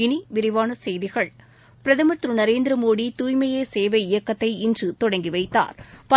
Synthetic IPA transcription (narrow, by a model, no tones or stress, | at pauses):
ɪniʋɪɾɪʋaːnɐsɛjðɪɣɐɭ | pɪɾɐðɐmɐt̪ːɾɯnɐɾeːnd̪ɪɾɐmoːɽit̪uːjmɐjeːseːʋɐɪjɐkːɐt̪ːɐɪɪndrɯt̪ɔɽɐŋɡiʋɐɪt̪ːa̰ːɾpɐ